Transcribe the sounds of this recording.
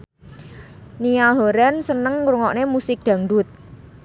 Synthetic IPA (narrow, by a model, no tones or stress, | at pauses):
niaɦoɾansənəŋːɾuŋɔʔnemusɪk̚d̪̥a̤ŋɖʊt̪̚